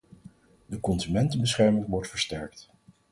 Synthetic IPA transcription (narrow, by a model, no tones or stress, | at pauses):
dəkɔnzymɛntənbəsχɛɹmɪŋʋɔɹtfəɹstɛɹk̚t